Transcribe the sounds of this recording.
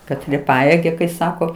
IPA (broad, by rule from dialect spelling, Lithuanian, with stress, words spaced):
kɐˈtʲrʲiɛ ˈpɑːjeːɡʲɛ kɐɪ ˈsɑːkoː